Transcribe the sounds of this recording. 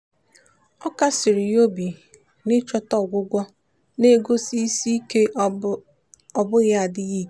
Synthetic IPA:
ɔ˦ka˦sɪ˨ɾɪ˨jo˦bi˨ | nɪ˦t͡ʃɔ˦tɔ˦˨ɡʷʊ˦ɡʷɔ˦ | ne˦˨ɡo˦si˦i˦si˦i˦ke˦ | ɔ˨bʊ˦ɣa˦a˨dɪ˦ɣi˦˨k

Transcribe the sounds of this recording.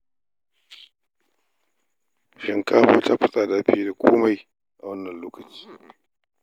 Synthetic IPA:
ʃɪ˨ŋkaː˦ɸoː˦ta˦ɸɪ˦sʼaː˨daː˦ɸiː˦da˨kʷʰoː˦ma˨j | ʔa˨wɐ˦nːɐ˨nloː˦kɐ˨t͡ʃi̥ː˦

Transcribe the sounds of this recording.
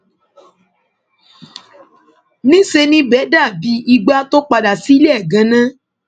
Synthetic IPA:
nĩ˦se˧nĩ˦bɛ˨˦da˦˨bi˧˦i˧ɡ͡ba˦to˦k͡pa˧da˨si˨˦lɛ˦˨ɡã˨˦nã˦

